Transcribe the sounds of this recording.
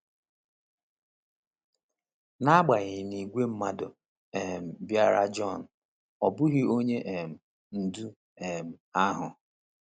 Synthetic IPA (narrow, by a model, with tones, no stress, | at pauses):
na˦ɡ͡ba˨ɣɪ˨ni˨ɡʷe˦m̩˦ma˦dʊ˨ | e˨m̩˨bja˦˨ɾa˦d͡ʒɔ˦˨n̩˨ | ɔ˨bʊ˦ɦɪ˦o˦ɲe˦ʔe˨m̩˨ | n̩˨du˦ | e˨m̩˨a˦ɦʊ˨